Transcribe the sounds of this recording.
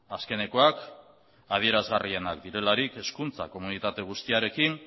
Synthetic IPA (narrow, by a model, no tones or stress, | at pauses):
aske̞ne̞ko̞ak | að̞ie̞ɾazɣarie̞nakd̪iɾe̞laɾike̞skunt͡sa̰ko̞munit̪at̪e̞ɣ̞ust̪iaɾe̞kin